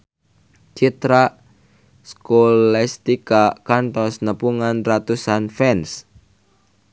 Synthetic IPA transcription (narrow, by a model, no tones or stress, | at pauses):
t͡ʃit̪ɾa | skolɛst̪ikakant̪ɔsnəpuŋanrat̪usanfɛns